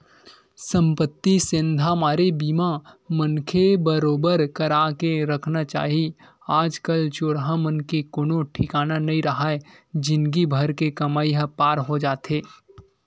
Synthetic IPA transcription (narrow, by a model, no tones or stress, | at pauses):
sə̃mpət̪ːisɪ̃nd̪ʱamaːɾebiːmamənkʰebəɾoːbəɾkɐɾaːkeɾɐkʰnat͡ʃa̰ːɦi | aːd͡ʒkəlt͡ʃʊɽɦamənkekʊnoʈʰɪkaːnanɐɦĩɾɐɦaːed͡ʒɪnkibʱɐɾkekɐmaːiɦəpaːɾɦod͡ʒaːt̪eː